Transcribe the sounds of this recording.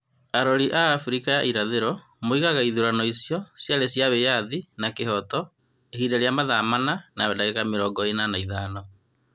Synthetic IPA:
aɾɔɾiʔaːfuɾikajaʔiɾaðeɾɔ | moiɣaɣaiðuɾanɔisjɔsjaɾesjaβejaðinakeɦɔtɔ | ehiːdaɾjamaðamananawɛdaɣeɣameɾɔɡɔenanaiðanɔ

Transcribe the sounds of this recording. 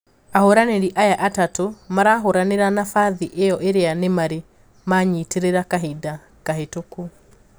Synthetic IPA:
ahoɾaneɾiʔajaʔatatomaɾaɦoɾaneɾanafaðiʔejɔʔeɾeanemaɾe | maɲiːteɾeɾakaɦida | kaɦetoku

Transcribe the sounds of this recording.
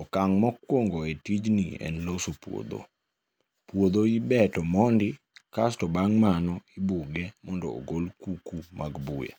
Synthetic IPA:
ɔkaŋmɔkwoŋɡoetid͡ʒniɛ̰nlosopwo̰d̪o̰ | pwod̪oibɛtɔmɔndɪkastɔbaŋmanɔibuɡɛmɔndɔ̰o̰ɡolkukumʔaɡbuja̰

